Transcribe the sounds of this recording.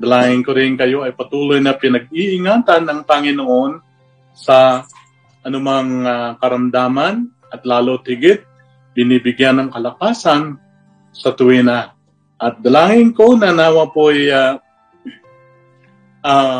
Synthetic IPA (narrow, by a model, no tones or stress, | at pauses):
d̪ɐlaːŋɪŋkoɾɪnkɐjo̞ɐjpɐt̪uːlojnɐpɪnɐɡ̚iʔɪŋaːt̪anːɐŋpɐŋɪnoʔo̞n | sɐ | ʔɐnʊmaŋakɐɾɐmd̪aːman | ʔɐt̪laːlot̪̚hɪɡɪt̪̚ | bɪnibɪɡjanːɐŋkɐlɐkaːsan | sɐt̪ʊwina | ʔɐt̪̚d̪ɐlaːŋɪŋko̞nɐnaːwapoja | ʔa